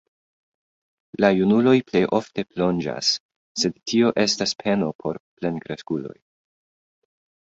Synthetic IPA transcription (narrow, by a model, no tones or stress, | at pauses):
lajunulo̞jple̞jʔo̞fte̞plo̞nd͡ʒa̰sː | e̞dtʰio̞ʔe̞staspʰe̞no̞pʰo̞ɾple̞nkɾe̞skulo̞̰j